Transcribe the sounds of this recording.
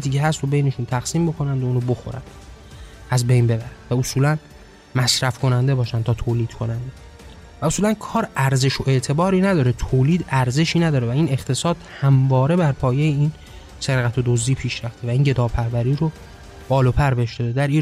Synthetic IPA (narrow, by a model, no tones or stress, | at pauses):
t̪ʰiːceɦæst̪ʰobe̞jne̞ʃunt̪ʰæɣsiːmbo̞kʰo̞nænd̪ouːnobo̞xo̞̰ɾæ̰nd̪ | ʔæzbe̞jnbe̞bæɾænd̥̪væosuːlæn | mæsɾæfkʰo̞nænd̪e̞bɒːʃænt̪ʰɒːt̪ʰoːliːd̪̥kʰo̞nænd̪e̞ | væosuːlænkʰɒːɾæɾze̞ʃo̞ʔe̞ʔt̪ʰe̞bɒːɾiːnæd̪ɒːɾet̪ʰoːliːd̪æɾze̞ʃiːnæd̪ɒːɾevæiːne̞χt̪ʰe̞sɒːd̪̥hæmvɒːɾe̞bæɾpʰɒːjejein | se̞ɾɣæt̪ʰod̪ozd̪iːpʰiːʃɾæft̪evæiːnɟe̞d̪ɒːpʰæɾvæɾiːɾo | b̥ɒːlopʰæɾbeheʃd̪ɒd̪ed̪æɾiː